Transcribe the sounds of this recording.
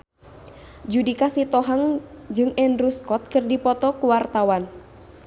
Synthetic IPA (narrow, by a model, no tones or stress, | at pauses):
d͡ʒudikasit̪ɔɦaŋd͡ʒɨŋɛndɾuskɔt̪̚kɨrdipɔt̪ɔkuwart̪awan